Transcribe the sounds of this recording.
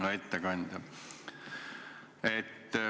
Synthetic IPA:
ɑet̪ːækɑnʲt̪ɑ | et̪ː

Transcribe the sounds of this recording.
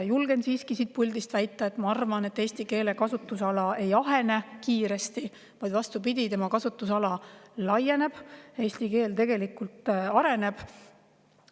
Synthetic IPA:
julɡ̥e̞nsiːskisiːt̪̚pulʲd̪ist̪væjt̪ˑːɑet̪mɑɑrvɑne̞t̪ːˑe̞ːsʲt̪ike̞ːle̞kɑsut̪ːˑusɑlɑe̞jɑɦe̞ne̞kiːɾe̞st̪i | vɑjd̪̥vɑst̪upid̪it̪e̞mɑkɑsut̪ːˑusɑlɑlɑje̞ne̞b̥e̞ːsʲt̪ike̞ːlt̪e̞ɡ̥e̞likult̪ˑɑɾe̞ne̞b̥

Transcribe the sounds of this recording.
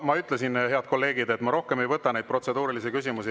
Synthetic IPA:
mɑyt̪ˑlesinhe̞ɑd̪̚ko̞lːe̞ːɡid̪e̞t̪ːˑmɑɾo̞hke̞me̞jvɤt̪ːˑɑnejd̪̚prot̪se̞d̪uːɾilisikys̬ʲimusi

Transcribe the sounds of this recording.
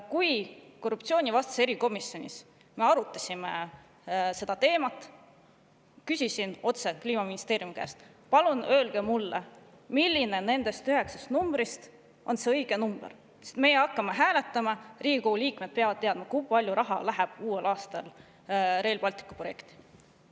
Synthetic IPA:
kujko̞rːuptsio̞ːnʲivɑst̪ɑ̥se̞ɾiko̞misjo̞nʲḭs | me̞ɑɾut̪ːˑɑsʲime | se̞d̪̥ɑt̪e̞ːmɑt̪ːˑ | kysʲisino̞t̪se̞kliːmɑminist̪eːɾijumikæ̰ːst̪ | pɑlunø̞ːlɡ̥e̞mulːḛ | milːine̞ne̞nd̪̥e̞st̪yɦe̞ksɑ̥st̪numbɾist̪ | o̞nse̞ɤjɡ̥e̞numb̥ḛɾ | se̥st̪me̞jeɑkːɑme̞ɦæːle̞t̪ːˑɑmɑriːɡʲikoɡ̥ulʲiːkme̞d̪̥̚peɑvɑd̪̥t̪ːe̞ɑd̪̥̚mɑkujpɑlʲjuɾʔɑɦɑlæɦeb̥uːelɑːst̪ɑl | re̞ːlpɑlʲt̪ˑi̥kːˑu̥pro̞je̞kt̪i̥

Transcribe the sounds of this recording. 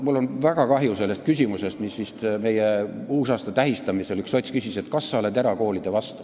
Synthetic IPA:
mulːo̞nvæɡ̥ɑkɑɦjuse̞lːest̪̚kysʲimuse̞st̪misʋist̪me̞jeuːsɑːst̪ɑt̪æɦist̪ɑmiselykso̞t̪ʲskysise̞t̪kɑsːɑoled̪eɾɑko̞ːlid̪̥evɑst̪u̥

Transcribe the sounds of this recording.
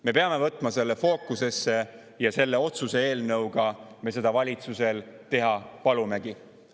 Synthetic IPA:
me̞pe̞ɑme̞vɤt̪ːˑmɑse̞lːefo̞ːkːˑuse̞sːe̞ | jɑse̞lːe̞o̞t̪suse̞e̞ːlnɤwɡ̥ɑmes̬e̞d̪̥ɑvɑlʲit̪suse̞lt̪e̞ɦɑpɑlumeɡ̥i

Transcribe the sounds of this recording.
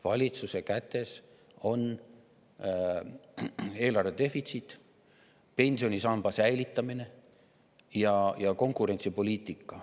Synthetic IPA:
vɑlʲit̪suse̞kæt̪ːˑe̞s | o̞n | e̞ːlɑrve̞d̪e̞fit̪sit̪ːˑ | pe̞nʲsio̞nʲisɑmb̥ɑsæjlit̪ːˑɑmine̞ | jɑjɑko̞ŋkˑuɾe̞nʲt̪sipo̞lʲiːt̪ˑikːˑɑ

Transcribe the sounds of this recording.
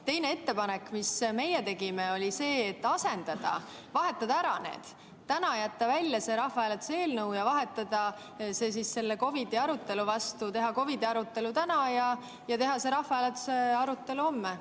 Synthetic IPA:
t̪e̞jne̞e̞t̪ːe̞pɑnekːˑmisme̞jet̪e̞ɡ̥imeo̞lʲise̞ːt̪ːɑse̞nd̪̥ɑd̪̥ɑ̰ | vɑɦe̞t̪ˑːɑd̪̥ɑæɾɑne̞̰ːd̪̥ | t̪ːænɑjæt̪ːɑvælʲjɑse̞ɾɑhvɑelet̪u̥see̞ːlnɤuwjɑvɑɦe̞t̪ːˑɑd̪̥ɑ | se̞ːs̬isse̞lːeko̞vid̪eɑɾut̪ːˑe̞luvɑst̪ut̪e̞ɦɑko̞vid̪iɑɾut̪ːˑe̞lut̪ænɑjɑ | jɑt̪e̞ɦɑse̞ɾɑhvɑelet̪ːˑu̥seɑɾut̪ːˑe̞luo̞mːe

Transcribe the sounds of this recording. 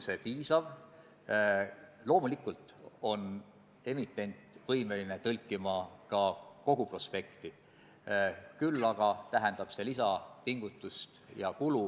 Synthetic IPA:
se̞piːsɑv | lo̞ːmulikːˑult̪ˑo̞n | e̞mit̪ˑːe̞nʲt̪ˑvɤjme̞line̞t̪ɤlʲkːˑimɑkɑko̞ɡ̥upro̞spe̞kt̪i | kylːɑɡ̥ɑt̪æɦend̪̥ɑb̥se̞lisɑpiŋɡ̥ut̪ːˑust̪jɑkulu

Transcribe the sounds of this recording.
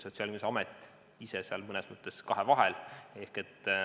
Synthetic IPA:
sot̪siɑlʲmiseɑmet̪ːˑ | iseseɑlmɤnesmɤt̪ːˑe̞skɑɦevɑɦele̞hke̞t̪ː

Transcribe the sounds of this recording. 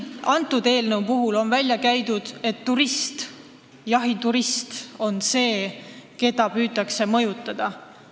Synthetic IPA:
ɑnt̪ːˑud̪e̞ːlnəwpuɦulo̞nvælʲjɑkæjd̪ud̪̥e̞t̪ːuɾist̪ | jɑɦit̪uɾist̪o̞nse̞ːke̞d̪ɑpyːt̪ːˑɑkse̞mɤ̞jut̪ːˑɑd̪̥ɑ

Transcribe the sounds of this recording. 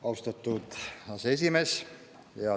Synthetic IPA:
ɑust̪ɑt̪ːut̪ɑsesimes | jɑ

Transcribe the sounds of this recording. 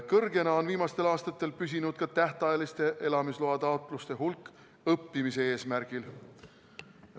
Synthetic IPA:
kɤrɡe̞nɑo̞nviːmɑst̪e̞lɑːst̪ɑt̪ːˑe̞lpys̬ʲinud̪̥̚kɑt̪æht̪ɑjɑlist̪e̞ʔe̞lɑmisloɑt̪ɑot̪ˑlust̪e̞ɦulkː | ɤpːimise̞eːsmæɾɡ̥il

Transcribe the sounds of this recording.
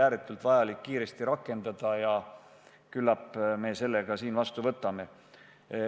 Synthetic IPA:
æːɾet̪ːˑult̪vɑjɑlikːiːɾe̞st̪iɾɑkːˑe̞nd̪̥ɑd̪̥ɑjɑ | kylːɑpːme̞ːse̞lːe̞ɡ̥ɑsiːnvɑst̪uvɤt̪ːˑɑme̞

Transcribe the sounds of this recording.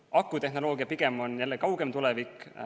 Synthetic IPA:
ɑkːˑut̪e̞hnolo̞ːɡ̥iɑpiɡ̥e̞mo̞njælːekɑwɡ̥emt̪ulɛvik

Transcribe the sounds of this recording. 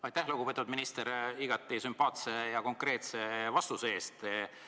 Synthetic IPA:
ɑjt̪ːæhloɡ̥upet̪ːˑuvd̪minist̪eɾiɡ̥ɑt̪ːˑisympˑɑːt̪se̞jɑko̞ŋkre̞ːt̪se̞vɑst̪usee̞ːst̪

